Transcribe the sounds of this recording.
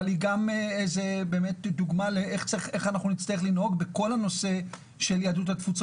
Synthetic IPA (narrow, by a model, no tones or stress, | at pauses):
liɡameejze̞be̞ːme̞tduɡmaleeχt͡saχʔeχanaχnunit̪t͡st̪ajeχlinɦo̞ɡbeko̞lhano̞se̞ | ʃe̞ljad̪ut̪hat̪fut͡s